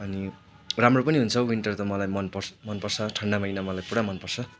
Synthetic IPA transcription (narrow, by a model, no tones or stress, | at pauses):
ʌni | ramropʌniɦunt͡sʰʌwiɳʈʌrt̪ʌmʌlajmʌnpʌrmʌnpʌrt͡sʰʌʈʰʌɳɖamʌjnʌmʌlajpuɽamʌnpʌrt͡sʰʌ